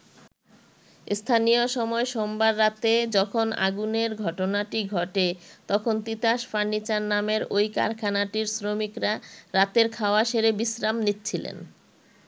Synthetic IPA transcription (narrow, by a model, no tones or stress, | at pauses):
st̪ʰanijoʃɔmɔeʃombaɾːat̪ed͡ʑɔkʰona̰ɡuneɾɡʱɔʈonaʈiɡʱɔʈet̪ɔkʰont̪it̪aʃfanːit͡ɕaɾnameɾojka̰ɾkʰanaʈiɾsɾomikɾaɾat̪eɾkʰaoaʃeɾebisɾamnitːt͡ɕʰilḛn